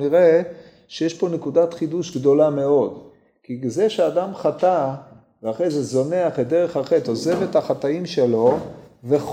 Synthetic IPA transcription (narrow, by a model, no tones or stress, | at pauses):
niʁe | ʃejeʃpo̞nekud̪at̪χid̪uʃɡd̪o̞lame̞o̞d̪ | kizeʃead̪amχat̪a | veaχejzezo̞neaχetd̪eʁe̞χaχet̪o̞ze̞vet̪haχat̪aimʃelo̞veχ